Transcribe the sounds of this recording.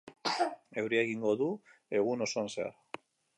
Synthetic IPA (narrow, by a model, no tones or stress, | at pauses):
e̞wɾieɣiŋɡo̞ðue̞ɣ̞uno̞so̞anse̞a̰ɾ